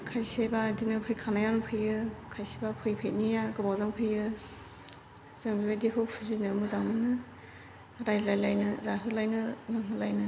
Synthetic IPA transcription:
kʰajsebaːdinɯpʰɯjkʰanajawnɯpʰɯjɯkʰajsebapʰɯjpʰejt̚nijaɡɯbawzaŋpʰɯjɯ | zɯŋbibadikʰɯwpʰuzinɯmuzaŋmɯnɯ | ɾajzlajlajnɯzaɦɯlajnɯnaŋɦɯlajnɯ

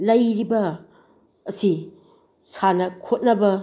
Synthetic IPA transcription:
lɐjɾibɐː | si | sanɐkʰot̚nɐbɐ

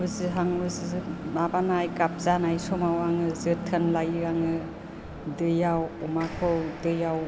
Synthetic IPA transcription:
bɯziɦaŋbɯzizɯnabanajkap̚zanajsɔmawaŋɯzɯtʰɯnlajɯaŋɯ | dɯjawɔmakʰɯwdɯjaw

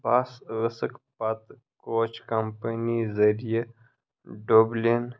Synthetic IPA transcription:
baːsɣəsəkpɐt̪ | koːt͡ʃkɐmpənizɐɾije | ɖoːblin

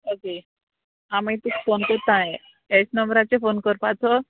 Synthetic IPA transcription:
oke | amit̪ukfonkəɾt̪aɦe | esnəmbɾat͡sefonkəɾpat͡sɔ

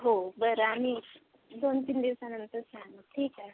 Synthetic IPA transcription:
ɦobəɾamiɾ | d̪ont̪iːnd̪iʋsanənt̪əɾsãŋʈʰiːka

